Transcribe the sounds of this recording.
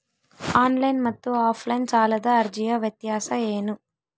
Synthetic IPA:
aːnlɐjnmɐt̪ːuaːpʰlɐjnt͡ʃaːlɐd̪aːɐɾd͡ʒijɐʋjɐt̪jaːsɐeːnu

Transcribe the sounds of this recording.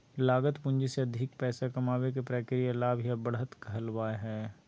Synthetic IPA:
laːɡət̪pʊ̃ɲd͡ʒeseɐd̪ʱɪk̚pɛːsakɐmaːwek̬epɾeːkɪɾijalaːbjabəɽɦət̪ɡʱəlʋaːeɦɛː

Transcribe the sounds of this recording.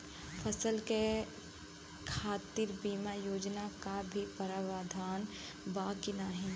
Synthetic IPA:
pʰəsəlke | kʰaːt̪iːɾbiːmajoːd͡ʒnakabʱipəɾaʋaːd̪ʱaːn | baːkinaɦĩ

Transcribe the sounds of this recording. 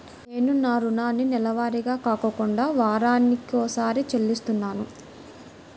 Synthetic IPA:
ne̞ːnunaːɾunaːnːinɛlɐʋaːɾiɡaːkaːkɐkuɳɖaːʋaːɾaːnikoːsaːɾit͡ʃelːist̪unːaːnu

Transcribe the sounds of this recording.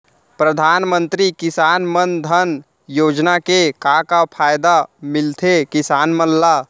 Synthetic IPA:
pɾəd̪ʱaːnmənt̪ɾikɪsaːnmənd̪ʱən | joːd͡ʒnakekakapʰaːjd̪amɪlt̪ʰekɪsaːnmənla

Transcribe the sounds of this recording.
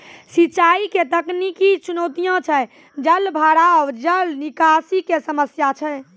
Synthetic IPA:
sit͡ʃaiket̪əknikit͡ʃunot̪ijãt͡ʃʰɛ | d͡ʒəlbʱaɽawd͡ʒəlnikasikesəməsjat͡ʃʰɛj

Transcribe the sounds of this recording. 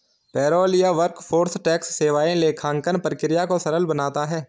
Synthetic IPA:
pɛːɾɔːljaʋəɾkpʰoːɾsʈɛːksːeːʋaːẽleːkʰãːŋkənpəɾkɪɾɪjakosɐɾəlbənaːt̪aɦɛː

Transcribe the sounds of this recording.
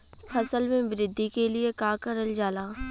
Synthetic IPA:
fʰɐsəlmẽbɾɪd̪ʱːikeliekaːkəɾəld͡ʒaːlaː

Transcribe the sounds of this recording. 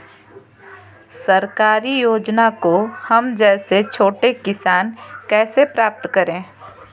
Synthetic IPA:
sɐɾkaːɾijoːd͡ʒnakohɐmd͡ʒɛːset͡ʃʰoːʈekɪsaːnkɛːsepɾaːp̚t̪kɐɾẽː

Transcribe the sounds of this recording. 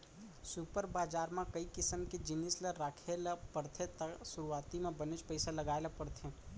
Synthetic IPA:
supəɾbaːd͡ʒaːɾmãkəikɪsəmked͡ʒɪnɪsleɾaːkʰelapəɾt̪ʰet̪sʊɾuaːt̪imẽbənet͡ʃpəɪsalɐɡaːelapəɽt̪ʰẽ

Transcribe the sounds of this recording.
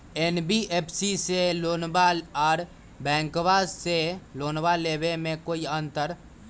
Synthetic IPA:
enbiʔeːpʰsiseloːnbaɔːɾ | bɛ̃ːŋkbasseloːnbalebemẽkoːiənt̪əɾ

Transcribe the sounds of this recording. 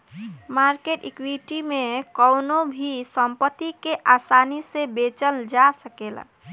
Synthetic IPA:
maːɾkeʈikwiʈimẽkəʊnobʱisəmpət̪ːikeʔaːsaːnisebet͡ʃəld͡ʒasəkeːla̰

